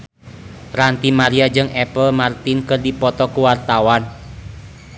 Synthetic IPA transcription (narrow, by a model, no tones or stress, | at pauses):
rant̪imaɾiad͡ʒɨŋʔɛpəlmart̪inkɨrdipɔt̪ɔkuwart̪awan